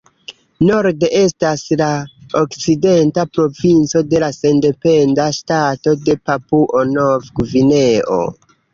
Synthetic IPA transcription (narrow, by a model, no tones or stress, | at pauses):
no̞ɾde̞ʔe̞staslaokt͡side̞ntapɾo̞vint͡so̞de̞lase̞nde̞pe̞ndaʃtato̞de̞papuʔonovɡvine̞o̰